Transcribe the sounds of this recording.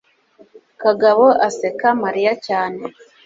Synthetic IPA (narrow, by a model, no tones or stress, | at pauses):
kaɡaβoʔasekamaɾijacaːne